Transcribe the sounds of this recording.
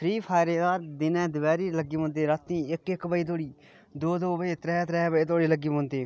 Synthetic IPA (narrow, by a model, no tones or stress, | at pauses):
pʰɾiːpʰaːɾeːd̪aːɾd̪ɪnɛ̃ːd̪əʋɛːɾiːləɡiːmõːnd̪eːɾət̪ːĩːɪkɪkbəiːt̪oːɽiː | d̪oːd̪oːbəiːt̪ɾɛːt̪ɾɛːbiːt̪oːɽiːləɡiːmõːnd̪eː